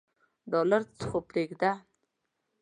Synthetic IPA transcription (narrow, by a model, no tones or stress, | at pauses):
ɖɔlaɾt͡sə̥χopɾeɡd̪a